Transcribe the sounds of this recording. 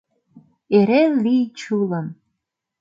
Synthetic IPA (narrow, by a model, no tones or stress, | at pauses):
eɾelit͡ʃʰuləm